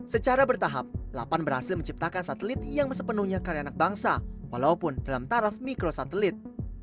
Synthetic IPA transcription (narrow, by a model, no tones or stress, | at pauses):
sət͡ʃaɾabərt̪aɦa̰p̚la̰panbərhasɪlməɲt͡ʃip̚t̪akansat̪əlɪt̪̚jaŋməs̬əpənuhɲakaɾianak̚baŋsawalaupʊndalamt̪aɾafmikɾosat̪əlɪt̪̚